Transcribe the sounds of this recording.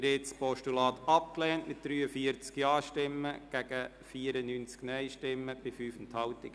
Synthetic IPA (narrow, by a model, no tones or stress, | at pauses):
ɾɪtspɔʃtulɑːt̪ɑp̚klɛːntmɪt̚d̥ɾyːəfiəɾt͡skjɑːʃtɪmːəɡ̥æɡ̥ə | fiːəɾənyːnt͡sknœɪʃtɪmːəb̥ɪfyːfnthɑlt̪ɪɡ̥